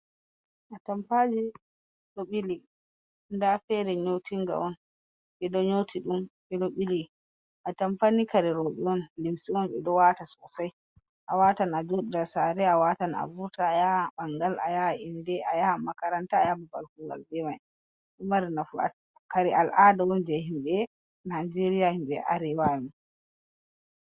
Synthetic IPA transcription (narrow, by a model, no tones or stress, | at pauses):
ʔatampad͡ʒi | ɗoɓili | ndafɛɾɛɲowtʰiŋɡa̰ʔɔn | ɓɛdɔɲowtʰiɗumɓɛɗoɓili | ʔatampanikaɾɛɾɔɓɛɔnlimsiɔnɓɛɗɔwatasɔsaj | ʔawatanad͡ʒoɗidasaɾɛawatana̰buɾtaːjaɓaŋɡalʔa̰jaindɛʔajamakaɾantaːjababalkuɡa̰lbɛmaj | ɗumaɾinafua̰ | kaɾiʔalʔadawɔnd͡ʒɛhimɓɛ | najd͡ʒeɾijahimɓɛ̰ʔa̰ɾɛwaju